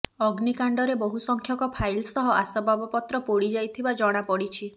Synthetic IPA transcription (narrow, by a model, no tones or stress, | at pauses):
ɔɡnikaɳɖɔɾeboɦusɔŋkʰjɔkɔpʰajlsɔɦɔʔasɔbabɔpɔt̪ɾɔpoɽid͡ʒajt̪ʰibad͡ʒɔɽ̃apɔɽit͡ʃʰi